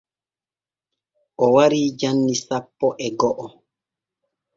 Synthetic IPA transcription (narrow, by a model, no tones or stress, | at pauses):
ʔɔwaɾiːd͡ʒanːisapːɔʔɛɡɔʔɔ